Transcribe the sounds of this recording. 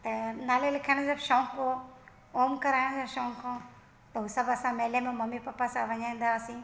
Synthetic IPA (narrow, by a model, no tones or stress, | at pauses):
t̪ɐnaːlelɪkʰəːɽ̃d͡ʑɐbʃɔ̃ːko | oːmkɐɾaːɪɽ̃d͡ʑoʃɔ̃ːŋkʰãː | t̪ɐɦʊsɐbɐsãmeːlemẽmɐmipɐpːasãʋɐɲaːĩːn̆d̪aːsĩ